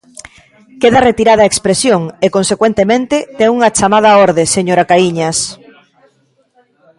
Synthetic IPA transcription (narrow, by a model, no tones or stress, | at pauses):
keðɐret̪iɾaðɐaekspɾesjoŋekonsekwent̪emẽnt̪ɪt̪eŋuŋɐt͡ʃamað̞ɐɔɾðeseɲoɾakaiɲɐs